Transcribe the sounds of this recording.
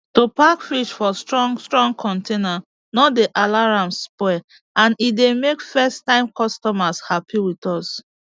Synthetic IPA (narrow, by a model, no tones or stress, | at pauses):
topakfiʃfɔstɹɔ̃ŋstɹɔ̃ŋɡkʰɔ̃ntʰena | nɔtdeʔalaɹãmspɛ | ãnidemekfɛstãɪ̃mkɔstɔmashapʰiwitɔs